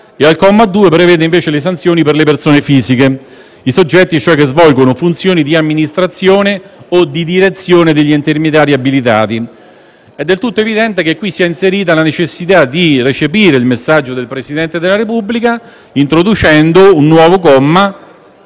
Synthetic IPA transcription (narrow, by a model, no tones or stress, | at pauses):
ealkɔmːad̪ːuːepɾeveːd̪eiɱveːt͡ʃeles̬ant̪sjoːniperlepersoːnefiːzike | isod͡ʒːɛt̪ːit͡ʃoɛkːezvɔlɡonofunt̪sjoːnid̪iamːinist̪ɾat̪sːjoːneod̪ːid̪iɾet̪sːjoːned̪eʎːient̪ermed̪jaːɾiabilit̪̬a̰ːt̪i | ɛd̪ːelt̪ut̪ːoevid̪ɛnt̪ek̟ekːwisːiːainseɾiːt̪̬alanet͡ʃesːit̪ad̪iret͡ʃepiːɾeilmesːad͡ʒːod̪elpɾesid̪ɛnt̪ed̪elaɾepubːlika | int̪ɾod̪ut͡ʃɛnd̪ounːwɔːvokɔmːa